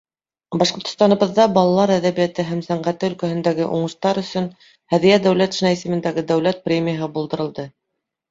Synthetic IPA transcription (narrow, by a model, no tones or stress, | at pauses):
bɑʃqŏɾt̪ŏ̥st̪ɑnŏβɤ̆ðːɑbɑlˠɑlˠɑɾæðæβijæt̪ɘɦæmsæɴɢæt̪ɘɵ̆lkæhɘ̆nd̪æɡɘʔuɴɤ̆ʃt̪ɑɾɵ̆sɵn | hæðijæd̪æwlæt̪ʃinɑisɘ̆mɘ̆nd̪æɡɘd̪æwlæt̪̚prʲemʲijəɦɤbulˠd̪ɤ̆ɾɤ̆lˠd̪ɤ